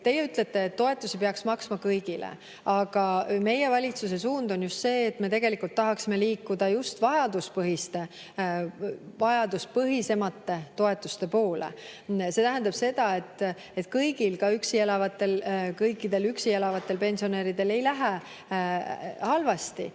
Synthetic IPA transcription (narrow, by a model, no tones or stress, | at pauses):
t̪e̞jːeyt̪ˑlet̪ːe̞ːt̪ːo̞e̞t̪ːˑusipeɑksmɑksmɑkɤjɡ̥ilḛ | ɑɡ̥ɑme̞je̞vɑlʲit̪sus̬e̞s̬uːnd̪o̞njust̪se̞ːt̪ːme̞t̪e̞ɡ̥elikult̪ːɑɦɑksime̞liːkːˑud̪̥ɑjust̪vɑjɑd̪uspɤɦist̪e̞ | vɑjɑd̪uspɤɦise̞mɑt̪ːe̞t̪o̞e̞t̪ːˑust̪e̞po̞ːlḛse̞t̪æɦænd̪ɑb̥se̞d̪̥ɑe̞t̪ːˑ | e̞t̪kɤjɡ̥ilkɑyksielɑvɑt̪ːˑe̞lkɤjkˑːid̪e̞lyksie̞lɑvɑt̪ːˑe̞lpe̞nsio̞ne̞ːɾid̪̥e̞le̞jlæɦe | hɑlvɑst̪ḭ